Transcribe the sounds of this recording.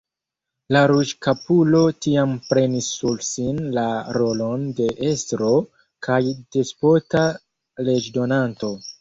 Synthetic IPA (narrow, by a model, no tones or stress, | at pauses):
laɾud͡ʒkapulo̞tiampɾe̞nisːulsinlaɾo̞lo̞nde̞ʔestɾo̞ | kʰajd̥espota | le̞d͡ʒdo̞nanto̞